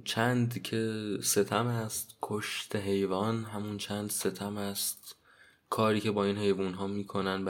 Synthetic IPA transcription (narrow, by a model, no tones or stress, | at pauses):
t͡ʃʰænd̪cʰe̞se̞t̪ʰæmæst̪kʰoʃt̪ʰeɦe̞jvɒːnɦæmunt͡ʃʰænd̪se̞t̪ʰæmæst̪̚ | kʰɒːɾiːcʰe̞bɒːinhe̞jvunɦɒːmiːkʰo̞nænb